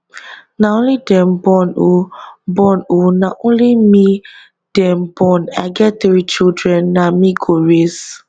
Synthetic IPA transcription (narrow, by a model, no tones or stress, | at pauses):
naõnlidɛ̃mbɔnobɔnonaʔõnlimi | d̥ɛmbɔna̰ɪɡɛt̚tɹit͡ʃildɹɛ̃nːamiɡoɹes